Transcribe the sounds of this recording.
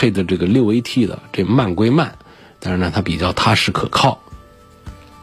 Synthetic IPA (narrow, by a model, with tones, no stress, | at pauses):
e˥˧ɪd̪ə˩ʈ͡ʂɤ˥˩ɡə˩ljo˥˩ʊwe˧˥ɪt̪ʰi˥˩d̪ə̰˩ʈ͡ʂe˥˧ɡma˥˩nkwe˥ɪma˥˩n | t̪a˥˧nʂɻ̩˥˩nə˨˩t̪ʰa˥pi˨˩t͡ɕjɑ˥˩ʊt̪ʰa˥ʂɻ̩˥˩kʰɤ̰˨˩kʰɑ˥˩ʊ